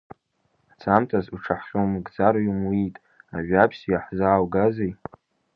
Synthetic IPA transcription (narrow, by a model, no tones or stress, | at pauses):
t͡sʰamtʰazuʈ͡ʂʰaħχʲomɨɡd͡zaɾumuitʼ | a̰ʒᶣapʰsijaħzaːwɡazej